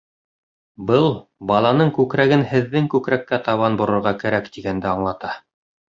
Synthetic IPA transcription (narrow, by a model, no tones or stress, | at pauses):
bɤlˠbɑlˠɑnɤɴkʉkɾæɡɘnhɘ̆ðːɘŋkʉkɾækːæt̪ɑβɑnbŏɾŏɾʁɑkæɾækt̪iɡænd̪ɘɑɴlˠɑt̪ɑ